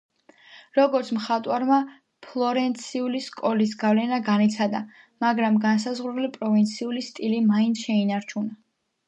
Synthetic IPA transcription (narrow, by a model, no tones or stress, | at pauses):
ɾɔɡɔɾt̪sʰmχat̪ʼwaɾma | pʰlˠɔɾɛnt̪sʰiuliskʼɔlis̬ɡavlɛnaɡanit̪sʰad̪a | maɡɾamɡans̬azʁuɾulipʼɾɔvint̪sʰiulist̪ʼilimaint̪ʰʃɛinaɾt͡ʃʰuna